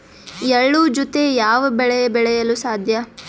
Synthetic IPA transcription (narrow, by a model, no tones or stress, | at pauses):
ɛɭːud͡ʒɔt̪ejaːʋɐbɛɭɛjɐbɛɭɛjɐlusaːd̪ʱjɐ